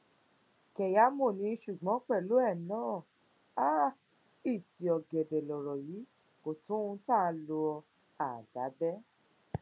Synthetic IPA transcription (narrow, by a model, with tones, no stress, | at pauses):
kɛ˨ja˨˦mo˦˨nĩ˧˦˧ʃu˨ɡ͡bɔ̃˨˦k͡pɛ˦˨lo˨˦ɛ˦˨˦nãː˦˨ | a˦ | i˦˨ti˨˦ɔ˨ɡɛ˨dɛ˨lɔ˨ɾɔ˨ji˨˦ | ko˨tõ˨˦ũ˧tã˦˨˧lo˧ɔ˧ | a˨d̥a˨˦bɛ˦